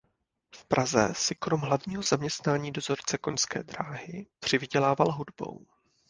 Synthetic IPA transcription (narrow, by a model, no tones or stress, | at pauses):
fpɾʔazɛ̰sɪkɾomɦlavɲiːɦo̞zamɲɛst̪naːɲiːdo̞zo̞rt͡sɛko̞ɲskɛ̰ːd̪ɾaːɦɪpr̝̥ɪvɪɟɛlaːvalɦudbo̞̰w